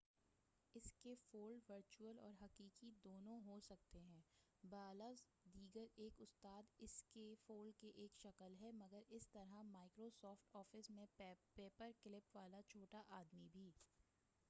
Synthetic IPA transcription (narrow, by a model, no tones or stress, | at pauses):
ɪskefoːlʋəɾt͡ʃuəlɔːɾɦɐkiːkid̪oːnõɦosɐk̚t̪eɦɛ̃ː | baːla | d̪iːɡəɾeːkʊst̪aːd̪ɪskefoːlkeʔeːkʃɐkəlɦɛmɐɡəɾɪst̪ɐɾamaːɪkɾosɔːfʈɔːfɪsmẽpeːpəɾkɪlɪpʋaːlat͡ʃʰoːʈaʔaːd̪mibʱiː